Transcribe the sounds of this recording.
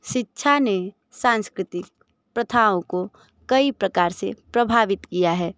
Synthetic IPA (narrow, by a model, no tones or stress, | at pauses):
ʃɪtːʃʰane | sãːnskɾɪt̪ɪk̚ | pɾət̪ʰaõko | kɐipɾəkaːɾsḛpɾəbʱaːʋɪt̪kijaɦɛː